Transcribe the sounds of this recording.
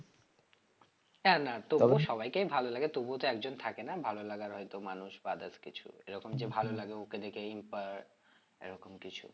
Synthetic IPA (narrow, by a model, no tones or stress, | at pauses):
ɛnat̪oboʃɔbajkejbʱalolaɡet̪obot̪oɛkd͡ʑont̪ʰakenabʱalolaɡaɾɦɔjt̪omanuʃbad̪askit͡ɕʰṵḛɾɔkomd͡ʑebʱalolaɡeoked̪ekeimpaɾ | ḛɾɔkomkit͡ɕʰṵ